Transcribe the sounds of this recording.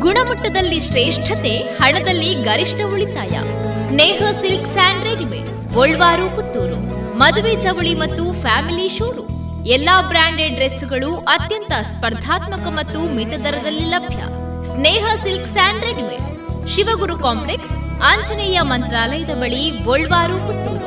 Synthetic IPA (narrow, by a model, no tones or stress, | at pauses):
ɡuɳɐmɐʈːɐd̪ɐlːiʃɾeːʂʈʰɐt̪ehɐɳɐd̪ɐlːiɡɐɾiʂʈɐuɭit̪a̰ːjɐ̰ | sneːɦɐsilksaːɳɖɾeɖimḛʈs | oɭːʋaːɾuput̪ːuːɾu | mɐd̪uʋed͡ʒɐʋɐɭimɐt̪ːupʰaːmiliʃoːɾu | ɛlːaːbɾaːɳɖeɖɾesuɡɐɭuʔɐt̪jɐnt̪ɐspɐɾd̪ʱaːt̪mɐkɐmɐt̪ːumit̪ɐd̪ɐɾɐd̪ɐlːilɐbʱjɐ̰ | sneːɦɐsilksaːɳɖɾeɖimḛʈs | ʃiʋɐɡuɾukaːmpleks | ɐɲt͡ʃɐnɛjɐmɐnt̪ɾaːlɐjɐd̪ɐbɐɭioɭʋaːɾuput̪ːuːɾu